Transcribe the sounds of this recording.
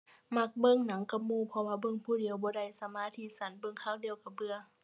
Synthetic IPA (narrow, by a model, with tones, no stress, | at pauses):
ma˧˩k̚bɤ˧˥˨ŋna˨˦ŋka˧˦p̚muː˧˨pʰɔ˧waː˧˩bɤ˧˨ŋpʰuː˧˩di˨˦əwbɔː˧˦da˧˩˨jsa˨˧˦maː˧˥˨t̪ʰiː˧˩sa˨˦nbɤ˧˨ŋkʰaː˧˥˨wdi˧əwka˧˩bɯ˧ə